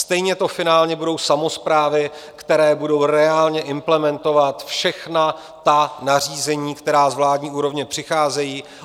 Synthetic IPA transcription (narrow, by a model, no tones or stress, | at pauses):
st̪ɛjɲɛt̪o̞fɪnaːlɲɛbudo̞wsamo̞spɾaːvɪ | kt̪ɛɾɛːbudo̞wɾɛaːlɲɛʔɪmplɛmɛnt̪o̞vat̪fʃɛxna | t̪anar̝iːzɛɲiːkt̪ɛɾaːzvlaːdɲiːuːɾo̞vɲɛpr̥ɪxaːzɛjiː